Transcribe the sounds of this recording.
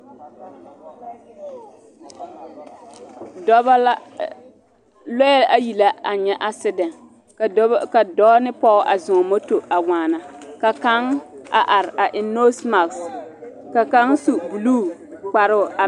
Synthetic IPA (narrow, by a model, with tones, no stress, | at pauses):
dɔ˦b | lɔ˦jɛ˦ʔa˦ji˨la˦a˨ɲɛ˦ʔa˦sɪ˦dɛ˨n˨˦ | ka˨dɔː˦nɪ˦pɔ˦ʔa˨zʊ̃˨ɔ˨mo˦to˨a˨waː˨na˨ka˨ka˦ŋa̰˨ʔa˨ɾɪ˨a˨ʔɪ˨no˦sma˨ks | ka˨ka˦ŋsu˨bu˨luː˦˨k͡pa˨ɾʊ˦˨ʔa˨